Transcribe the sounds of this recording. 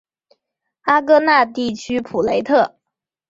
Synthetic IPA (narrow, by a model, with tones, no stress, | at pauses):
a˥kɤ˥na˥˧t̪i˥˩t͡ɕʰy˥pʰu˨˩le˧˥ɪt̪ʰɤ˥˩